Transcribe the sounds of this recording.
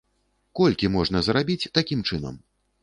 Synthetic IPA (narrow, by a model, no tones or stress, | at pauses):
kɔlʲkʲimɔʐn̪ɐzrabʲit͡sʲt̪akʲimt͡ʂɨnɐ̰m